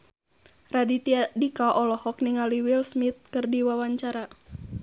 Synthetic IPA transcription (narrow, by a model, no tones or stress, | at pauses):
radit̪iadikaʔɔlɔhɔk̚niŋaliwilsmit̪̚kɨrdiwawaɲt͡ʃaɾa